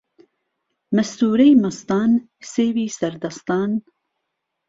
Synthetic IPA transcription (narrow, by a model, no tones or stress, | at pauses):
mɐst̪uːɾejmɐst̪ɑːn | seːwiːsɐɾd̪ɐst̪ɑːn